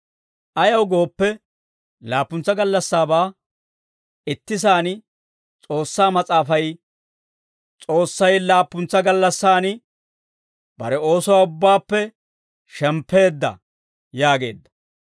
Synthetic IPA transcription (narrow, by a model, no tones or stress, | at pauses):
ʔɐjɐwɡo̞ːpːɛ | laːpːʊnt͡sːɐɡɐlːɐsːaːbaː | ɪt̪ːɪsaːn | t͡sʼo̞ːsːaːmɐt͡sʼaːfɐj | t͡sʼo̞ːsːɐjlaːpːʊnt͡sːɐɡɐlːɐsːaːnɪ | b̥ɐ̰ɾɛo̞ːsɔwaːʊbːaːpːɛ | ʃɛmpːe̞ːd̪ːɐ̰ | jaːɡe̞̰ːd̪ːɐ̥